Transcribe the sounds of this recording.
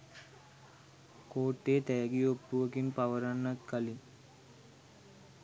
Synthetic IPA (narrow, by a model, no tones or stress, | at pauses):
koːʈːeːt̪ɛjɡiopːuʋɐkinpaʋəɾaɳːɐt̪̚kɐli